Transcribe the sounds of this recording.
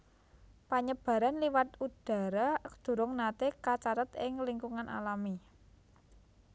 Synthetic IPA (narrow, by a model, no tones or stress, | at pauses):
paɲəb̥a̤ɾanliwat̪ud̥a̤ɾad̪̥ṳɾʊŋnat̪ekat͡ʃaɾət̪ɪŋliŋkuŋanʔa̰lami